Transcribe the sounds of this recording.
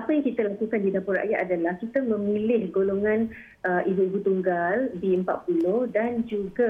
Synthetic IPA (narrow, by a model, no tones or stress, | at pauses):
apəjaŋkit̪əlakukandidapʊɾa̰ʔjaʔ̪adalahkit̪əmə̃milɪhɡoloŋãn | ʔəʔibuibut̪uŋɡalbiəmpa̰t̪̚pulʊhdand͡ʒuɡa